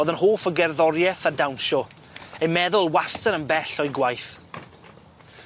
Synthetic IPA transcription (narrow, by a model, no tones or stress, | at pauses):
ðənhoːfəɡɛrðɔɾjɛθadawnʃɔ | ejmɛðʊlˠwastəɾənbɛɬɔjɡwajθ